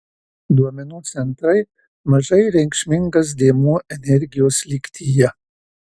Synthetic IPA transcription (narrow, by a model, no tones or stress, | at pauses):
d̪uɔmʲɛnuːt̪sʲɛnt̪ɾɐɪ | mɐʒɐɪɾʲɛŋʲkʃʲmʲɪŋɡɐs̬d̪ʲeːmuːʔɛnʲɛɾʲɡʲɪjoːslʲikʲt̪ʲijɛ